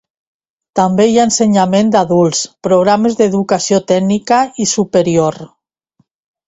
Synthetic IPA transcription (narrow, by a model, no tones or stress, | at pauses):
t̪ambejaenseɲamẽnd̪aðulˠspɾoɣ̞ɾamezðeðukasiot̪ɛɡnikaisupeɾioɾ